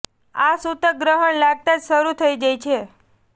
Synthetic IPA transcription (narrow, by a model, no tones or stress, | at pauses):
asut̪əɡɾəɦəɳlaɡ̚t̪ad͡ʒʃəɾut̪ʰəid͡ʒajt͡ʃʰe